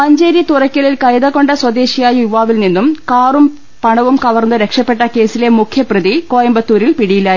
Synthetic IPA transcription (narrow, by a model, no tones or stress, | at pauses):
pɐɲd͡ʑeːɾjit̪urɐkʲːɐɭilkɐjd̪ɐkːo̞ɳɖɐswɐd̪e̞ːɕijaːjɐjuʋaːʋilninːumkaːrum | pɐɳɐʋumkɐʋɐrnːɨɾe̞kʂɐpːe̞ʈːɐke̞ːsile̞mukʰjɐprɐd̪iko̞ːjɐmbɐt̪ːuːɾilpiɽijila